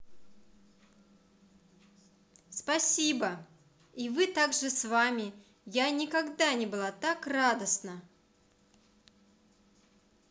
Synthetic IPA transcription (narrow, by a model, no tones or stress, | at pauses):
spɐsʲibə | ivɨt̪aɡʐɨsvamʲɪ | janʲɪkɐɡd̪anʲɪbɨlˠat̪akrad̪əsnə